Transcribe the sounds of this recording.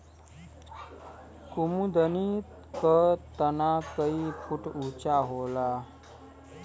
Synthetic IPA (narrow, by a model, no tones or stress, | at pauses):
kumud̪ənit̪ | kət̪ənakəipʰuʈut͡ɕaɦola